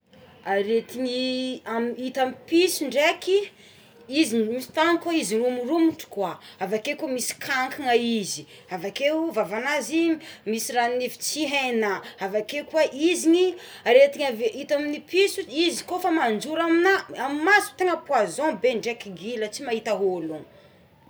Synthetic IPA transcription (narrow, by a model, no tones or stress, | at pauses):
aɾet̪iɲiamit̪amipisuɳɖ͡ʐeki | izimist̪aŋikaizinumurumuʈ͡ʂu̥kwaavakekomisi̥kʰaŋkiŋaizi | avakevavanaziimisirannivi̥t͡siɦanaavakekwaʔiziɲiɾet̪iɲaveit̪aminipisuizikofamand͡ʒuɾaminaamimasu̥t̪eŋəpwazɔ̃beɳɖ͡ʐekiɡilət͡simaɦit̪aɦoluŋ